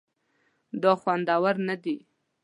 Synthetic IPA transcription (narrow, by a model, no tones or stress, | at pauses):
d̪əxwand̪ɑwaɾnad̪i